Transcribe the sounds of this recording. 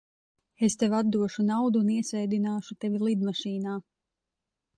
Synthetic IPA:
est̪evad̪̚d̪uɔʃunawd̪uːniɛsɛjd̪inaːʃut̪evʲilˠid̪maʃiːnaː

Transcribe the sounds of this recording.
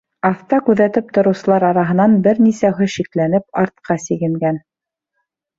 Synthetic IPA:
ɑft̪ɑkʉðæt̪ɘp̚t̪ŏɾɤ̆wsɤ̆lˠɑɾɑɾɑɦɤ̆nɑnbɘɾnisæɦɵʃiklænɘp̚ɑɾt̪̚qɑsiɡɘ̆ŋɡæn

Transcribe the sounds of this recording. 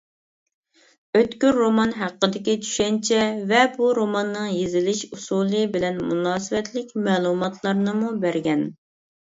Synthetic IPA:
øt̪kʲyɾːomɑnɦæqːəd̪ɪkʲit͡ʃʰy̥ʃɛnt͡ʃʰɛvɛbuɾomɑnːɨŋjezɪlɪʃusulˠɨbɪlɛnmunɑːsɨvɛt̪lɪkʲmɛːlˠumɑt̪ʰlˠɑɾnɨmubæɾɡʲɛn

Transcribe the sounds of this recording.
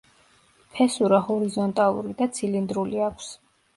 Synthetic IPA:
pʰɛsuɾahɔɾizɔnt̪ʼalˠṵɾid̪at̪sʰilind̪ɾuliakʰs

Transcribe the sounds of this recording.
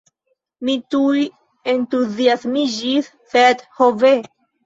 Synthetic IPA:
mit̪uj | ent̪uziasmiʒiθ | fet̪hove

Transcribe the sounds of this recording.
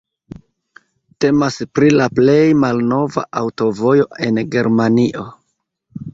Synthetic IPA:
te̞maspɾilaple̞jmalno̞va̰ʔawto̞vo̞jo̞ʔe̞nɡe̞ɾmaniʔo̞

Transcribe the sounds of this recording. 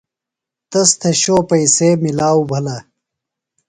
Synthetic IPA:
t̪ɐst̪ʰɐɕoːpɐisemilaːwbʱɐlɐ

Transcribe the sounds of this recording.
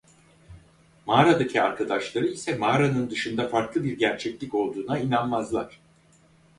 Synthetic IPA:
maːɾad̪acʰiaɾkʰad̪aʃlˠaɾɯisɛmaːɾanɯnd̪ɯʃɯnd̪afaɾklˠɯbiɾɟæɾt͡ʃʰɛclʲico̞lˠd̪uːnainanmazlˠaɾ̥

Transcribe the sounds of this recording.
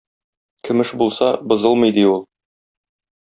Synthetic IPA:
kʰɵ̆mɘʃbulˠsɑbŏzɤlˠmɤ̆jd̪iulˠ

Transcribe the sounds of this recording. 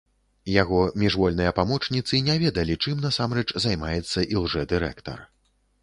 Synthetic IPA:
jaɣɔmʲɛʐvɔlʲnɨjɐpamɔt͡ʂnʲit̪sɨnʲavʲɛd̪ɐlʲit͡ʂɨmnɐsamɾɛt͡ʂzajmajɛt̪sːɐʔiwʐɛd̪ɨɾɛ̰kt̪ɐ̰r

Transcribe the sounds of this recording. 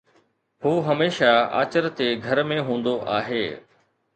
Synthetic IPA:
huːɦɐmeːʃaa̰ːt͡ɕəɾt̪eɡʱɐɾmẽɦũːn̆d̪oʔa̰ːɦeː

